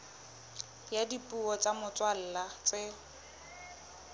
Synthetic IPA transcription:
jadipʼuɔt͡sʼamʊt͡sʼwal̩ːlat͡sɪ

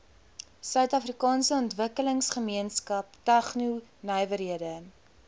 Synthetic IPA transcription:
sœɥtɐfrikɑːnsəɔntvəkələŋsχəmiənskɐp̚tɐχnunœjvəɾɦiədə

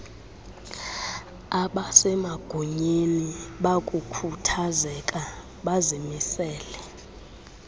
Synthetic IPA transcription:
aɓasɛmaɡ̥ʱuɲeniɓakʼukʰutʰazɛkʼa | ɓazimisɛːlɛ

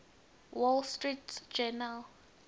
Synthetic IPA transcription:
wɔlstɹitd͡ʒɛnal

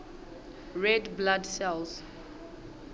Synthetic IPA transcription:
ɹɛdbladsɛls

